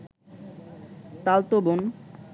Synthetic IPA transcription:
t̪alt̪obon

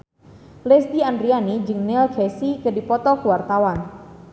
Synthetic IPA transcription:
lesdiandɾianid͡ʒɨŋnɪlkʰɛsikədipɔt̪ɔkəwart̪awan

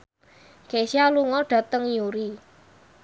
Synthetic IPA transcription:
kesialuŋɔɖ̥ä̤t̪əŋjuɾi

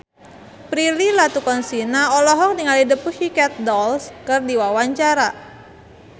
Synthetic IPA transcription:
pɾililat̪ukɔnsinaɔlɔɦɔk̚niŋalidəpuhikɛt̪̚dɔlskɨrdiwawaɲt͡ʃaɾa

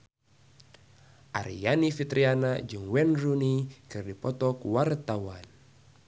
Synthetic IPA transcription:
ʔaɾijanifit̪ɾianad͡ʒɨŋwɛnrunikɨrdipɔt̪ɔkwart̪awan

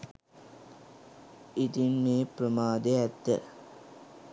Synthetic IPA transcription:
it̪inmeːpɾəmaːd̪eæt̪ːə̰

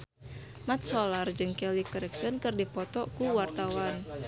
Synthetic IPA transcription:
mat̪̚sɔlard͡ʒɨŋkɛlikəɾɛksənkɨrdipɔt̪ɔkuwart̪awan

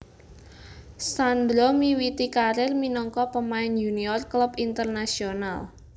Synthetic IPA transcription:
sand̪ɾɔmiwit̪ikaɾɪrminɔŋkɔpəmaɪnjuniɔrklubint̪ərnasional

